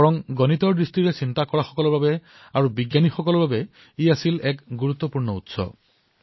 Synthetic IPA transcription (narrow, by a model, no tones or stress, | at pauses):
ɔɹɔŋɡɔnitɔɹdɹistiɹesintakɔɹaxɔ̥kɔlɔɹbabɛ | aɹubiɡjanixɔkɔlɔɹbabɛ | iasilɛkɡuɹut̪ːɔpuɹnɔutsɔ̰